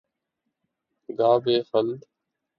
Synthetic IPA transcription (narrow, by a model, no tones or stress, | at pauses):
ɡaːbeːxəld̪